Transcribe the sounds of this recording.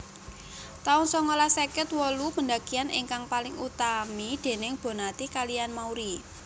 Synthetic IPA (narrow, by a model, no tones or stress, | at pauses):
t̪aʊŋsɔŋolahsekɪt̪wɔlupəndaɡ̥ianʔɪ̰ŋkaŋpalɪŋut̪amid̪̥e̤nɪŋb̥o̤nat̪ikalijanmauɾi